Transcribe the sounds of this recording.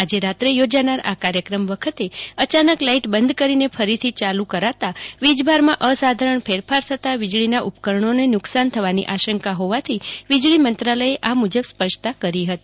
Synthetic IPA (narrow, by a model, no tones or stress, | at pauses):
ad͡ʒeɾat̪ɾejod͡ʒanaɾa̰kaɾjəkɾəmʋəkʰət̪eət͡ʃanəklaiʈbənd̪ʱkəɾinefʰəɾit̪ʰit͡ʃalũkəɾat̪aʋid͡ʒbʱaɾmãʔəsad̪ʱaɾəɳpʰeɾfʰaɾt̪ʰət̪aʋid͡ʒɭinaʔupkəɾəɳ̃onenʊksant̪ʰəʋanḭʔaʃəŋkaɦoʋat̪ʰiʋid͡ʒɭimənt̪ɾaləeʔamud͡ʒəbspəɾʃt̪akəɾiɦət̪i